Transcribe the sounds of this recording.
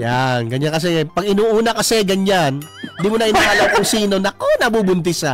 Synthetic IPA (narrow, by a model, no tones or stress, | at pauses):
janɡɐɲankɐs̬ɛpɐɡɪnuʔuːnɐkɐsɛɡɐɲan | d̪imʊnɐʔɪnhaːlaŋkʊŋsiːno̞nɐkonɐbubʊnt̪̬ɪsa